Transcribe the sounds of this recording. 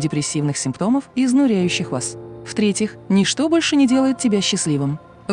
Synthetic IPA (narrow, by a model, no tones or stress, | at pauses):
dʲɪpɾʲɪsʲːivnɨxsʲɪmpt̪o̞məfɪznʊɾʲæjʉɕːɪxvasft̪ɾʲetʲjɪxnʲɪʂt̪o̞bo̞lʲʂɨnʲɪdʲe̞lˠəjɪt̪tːʲɪbʲæɕːɪslʲivɨm